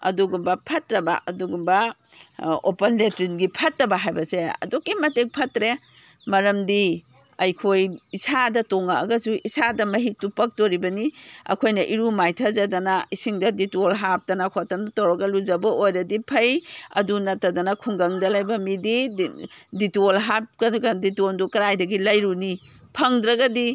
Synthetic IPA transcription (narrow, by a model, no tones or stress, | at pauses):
ɐ̰duɡumbɐpʰɐtɾɐba̰ʔɐ̰duɡumbɐ | openletɾinɡipʰɐtɾɐbaɦajbɐseɐ̰dokːimɐtek̚pʰɐtɾe | mɐɾɐmdi | ɐjkʰojːsadɐtɔŋaɐɡɐsuʔisadɐmɐɦik̚tupɐk̚toɾibɐniɐ̰kʰojnɐʔiɾumajtʰɐzɐdɐnaisiŋdɐditolɦap̚tɐnakʰotanatawɾɐɡɐluzɐbɐojɾɐdipʰɐjɐ̰dunɐtɐdɐnɐkʰuŋɡɐŋdɐlɐjbɐmidi | ditolɦap̚kɐɡɐditondukɐɾajdɐɡilɐjɾuni | pʰɐŋdɾɐɡɐdi